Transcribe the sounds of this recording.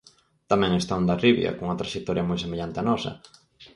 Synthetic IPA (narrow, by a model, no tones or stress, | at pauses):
t̪amɛ̃ŋest̪aũnd̪ɐriβjɐ̰kõŋuŋɐt̪ɾaʃit̪ɔɾjɐmojsemeʎant̪ɪanɔsɐ̰